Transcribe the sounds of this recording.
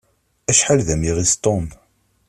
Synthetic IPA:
æʃħalðæmiʁist̪ˤom

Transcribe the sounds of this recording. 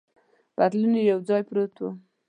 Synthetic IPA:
b̥at̪lunejawd͡zɑjpɾot̪wu

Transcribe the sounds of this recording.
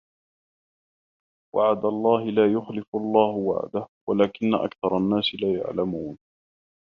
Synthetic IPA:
wa̰ʕad̪alˤːɑːɦɪlaːjʊxlɪfʔɑlˤːɑːhʊwa̰ʕd̪ahwalaːkɪnːaʔa̰kθɑɾˤɑnːaːsɪlaːja̰ʕlamuːn

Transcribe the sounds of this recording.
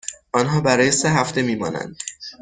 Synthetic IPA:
ʔɒnɦɒːbæɾɒːje̞seɦæft̪e̞miːmɒ̰ːnæ̰nd̪̥

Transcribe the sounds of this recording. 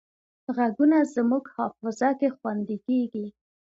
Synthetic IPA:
ɣaɡunazmuɡhɑfɪzakexwand̪ikeɡi

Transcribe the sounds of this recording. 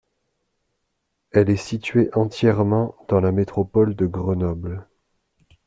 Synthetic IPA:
ɛlɛsit̪ɥeʔɑ̃t̪jɛʁmɑ̃d̪ɑ̃lamet̪χɔpɔld̪əɡʁənɔbl

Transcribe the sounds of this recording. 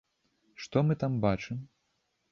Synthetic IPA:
ʂt̪ɔmɨt̪ambat͡ʂɨm

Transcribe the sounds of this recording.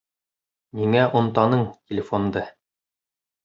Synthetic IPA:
niŋæʔŏnt̪ɑnɤɴtʲɪlʲɪfond̪ɤ

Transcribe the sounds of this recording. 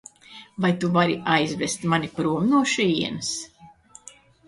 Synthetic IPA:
vajt̪uvaɾiʔajzvɛst̪manʲipɾuɔmnuɔʃiiɛnɨs

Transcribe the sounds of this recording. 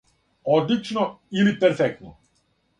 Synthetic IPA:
ɔd̪lit͡ʃnɔilipɛɾfɛk̚t̪nɔ̰

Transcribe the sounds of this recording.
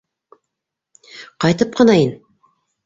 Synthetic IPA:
qɑjt̪ɤp̚qɤ̆nɑin

